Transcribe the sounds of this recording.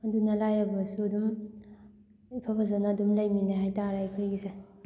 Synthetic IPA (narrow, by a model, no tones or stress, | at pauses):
ɐdunɐlajɾɐbɐsuɐdum | ipʰabʰazanaːdumlajminaɦajtaɾakʰojɡise